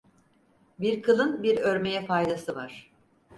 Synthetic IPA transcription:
biɾkʰɯlˠɯnbiɾøɾme̞jɛfajd̪asɯvaɾ̥

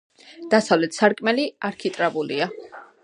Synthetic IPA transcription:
d̪̥asavlɛt̪ʰsaɾkʼmɛliaɾkʰit̪ʼɾabulia

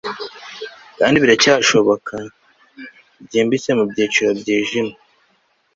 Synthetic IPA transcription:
kaːndiβiɾacaːʃo̞βo̞kʰa | bɟiːmbit͡se̞mubɟiːt͡ʃiɾobɟiːʒima

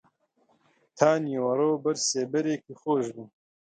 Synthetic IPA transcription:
t̪ʰaːniwɐɾoːbɐɾseːbɐɾeːkixoːʒbu

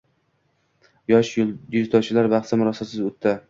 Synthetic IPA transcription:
jɒʃjɪzt̪ʰɒt͡ʃʰɪlaɾbɑχt̪samʊɾɒsasɪzʊt̪ʰːa

